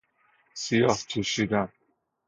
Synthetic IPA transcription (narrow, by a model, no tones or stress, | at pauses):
sijɒhkʰeʃid̪æn